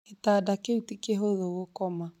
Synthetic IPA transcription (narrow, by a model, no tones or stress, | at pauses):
etaːdakeutikeɦoðoɣokɔma